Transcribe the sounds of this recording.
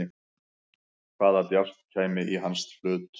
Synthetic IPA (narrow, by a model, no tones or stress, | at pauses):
ɪ | kʰvaːðat̪jar̥t̪cʰaːjmɪʔiɦanst̪flʏːt̪